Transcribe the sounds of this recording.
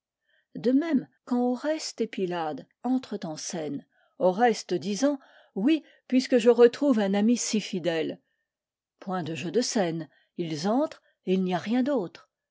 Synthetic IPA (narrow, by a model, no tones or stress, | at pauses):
d̪əmɛmkɑ̃oʁɛst̪epilad̪ | ɑ̃t̪χət̪ɑ̃sɛn | oʁɛst̪d̪izɑ̃ | wi | pɥiskəʒəʁət̪χuvɛ̃namisifid̪ɛl | pwɛ̃d̪əʒød̪əsɛn | ilzɑ̃t̪χ | eilniaʁjɛ̃d̪ot̪χ